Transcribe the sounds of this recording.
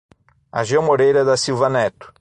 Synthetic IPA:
a̰ʒɐ̃w̃moɾejɾɐd̪ɐsiwvɐnɛt̪ʊ̥

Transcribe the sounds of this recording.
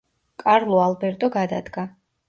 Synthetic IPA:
kʼaɾlˠɔalˠbɛɾt̪ʼɔɡad̪ad̪ɡa

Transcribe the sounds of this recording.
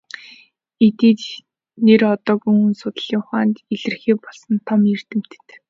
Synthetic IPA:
et̪eːt̪ | nerɔt̪ɔːɡujɵnsʊt̪̆ɮiːŋʊχaːnt̪iɮɘ̆rxeːpɔɮsə̆nt̪ʰɔmjer̥t̪ɘ̆m̥t̪ɘ̥̆t̪

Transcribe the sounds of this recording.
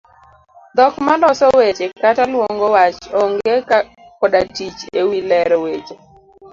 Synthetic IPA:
d̪ɔkmalɔsɔwet͡ʃekatalwoŋɡɔwat͡ʃɔŋɡeka | kɔdatit͡ʃewilɛɾɔwet͡ʃe

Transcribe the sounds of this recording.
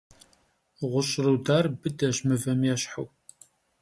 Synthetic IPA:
ʁʷʊɕʼrɨwdaːrbɨdɐʑmɨvɐmjɛɕħaw

